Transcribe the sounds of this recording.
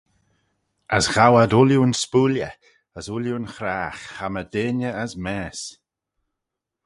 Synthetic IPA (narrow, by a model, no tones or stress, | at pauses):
əsɣ̥awadʊljuənspuːljə̰ | əsʊljuənxɾaːxːamədeːnəəsmɛːs